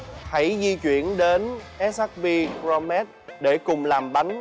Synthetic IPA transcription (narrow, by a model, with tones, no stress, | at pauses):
ha˧˩jzi˧t͡ɕwḭ˧˨ənɗe˨˦nʔɛ˦˥sa˦˥k̚vi˧kɾɔ˧mɛ˦˥t̚ɗe˧˩kʊ˨˩ŋ͡mlaː˨˩mɓa˨˦jŋ̟